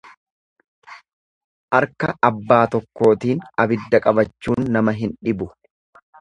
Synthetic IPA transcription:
ʔɐɾkɐʔɐbːaːt̪ɔkːo̞ːt̪iːnɐbɪd̪ːɐkʼɐbɐt͡ʃːuːnːɐmɐɦɪnᶑɪbʊ

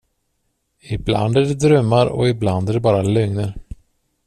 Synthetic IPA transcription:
ɪbla̰nd̪æɖɛd̪ɾœmːaɾɔ̰ɪbland̪æɖɛbɑːɾalɵŋnəɾ

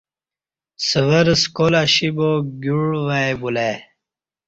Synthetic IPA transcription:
səʋəɾskolaɕiboɡuɽʋaebule

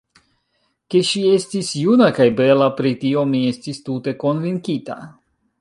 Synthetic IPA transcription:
ke̞ʃie̞stisjunakajbe̞lapɾitio̞mie̞stistute̞ko̞nviŋkita̰

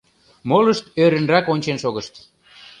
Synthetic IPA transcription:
moləʃt̪øɾənrɑkonʲt͡ɕenʃoɣəʃt̪

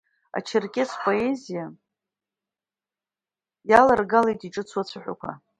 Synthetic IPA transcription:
a̰t͡ʃʰɪrkʲʼespʼo̞e̞zija | jalarɡalejtʼiʈ͡ʂʼɨt͡sʷʰwat͡sʷʰaħʷᶣakʷʰa̰

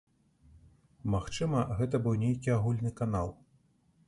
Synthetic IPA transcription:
maxt͡ʂɨmɐɣɛt̪ɐbɨwnʲejkʲiaɣulʲnɨkan̪alˠ

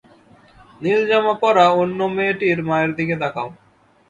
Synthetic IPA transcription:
niɾd͡ʑamapɔɾaonːomeʈiɾmaeɾd̪iked̪akʰao

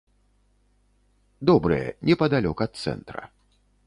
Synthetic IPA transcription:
d̪ɔbɾɨjɛ̰nʲɛpɐd̪alʲɔkɐɐt̪̚t̪sɛ̰nt̪ɾɐ̰

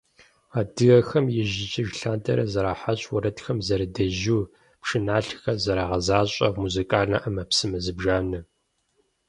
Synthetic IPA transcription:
aːdɨɣɐxɐmjɪʑɪt͡ʃʼɪʒɬaːntʰɐ̰ɾɐ̰zɐɾaːħaɕʼwɐɾɐtxɐmzɐɾɨdɐʒuː | pʂɨnaːɬxɐzɐɾaːʁɐzaːɕʼɐmuzikʼaːɮnɐ̰ʔɐmɐpsɨmɐzɨbʒaːnɨ

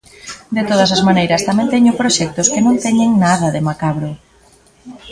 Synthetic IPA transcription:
d̪et̪oðɐs̬azmanejɾɐst̪amɛ̃nt̪ɛɲʊpɾoʃɛk̚t̪ʊskenõnt̪ɛɲeŋnaðɐðemakaβɾo

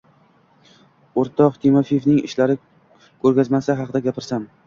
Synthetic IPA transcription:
oɾt̪ʰɒqt̪ʰimofijfnɪŋɪ̰ʃlaɾɪ | kʲʰɵɾɡʲazmasaɦɑqɨd̪aɡʲapʰɪɾsam

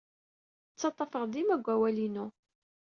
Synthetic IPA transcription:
t͡sːɑt̪ˤːɑfəʁd̪imæɡʷːæwælinu

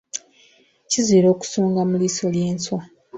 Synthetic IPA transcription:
cizwiːɾo̞ːku̥soːŋɡamuliso̞lje̞ːnswa

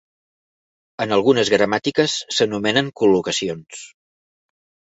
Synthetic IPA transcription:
ənəlˠɣunəzɣɾəmat̪ikəsːənumɛnəŋkulukəsions

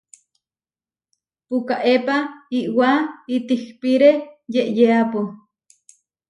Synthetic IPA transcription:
pukaʔepaiʔwait̪ihpiɾejeʔjeapu

